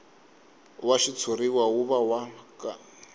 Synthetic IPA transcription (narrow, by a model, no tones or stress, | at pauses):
waʃit͡sʰuriwauβawaka